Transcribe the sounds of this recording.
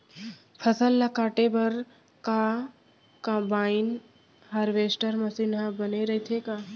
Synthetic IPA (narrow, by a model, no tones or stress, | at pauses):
pʰəsəlːɐkaːʈebɐɾ | ka | kɐ̃baːɪn | ɦaɾʋeːsʈəɾmɐsiːnɦãbɐneɾɐɦit̪ʰekaː